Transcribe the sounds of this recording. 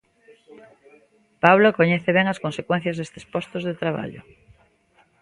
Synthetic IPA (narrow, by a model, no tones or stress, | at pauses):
paβlokoɲeθeβ̞eŋaskonsekwẽn̟θjazðest̪espost̪ozðet̪ɾaβ̞a̰ʎo̰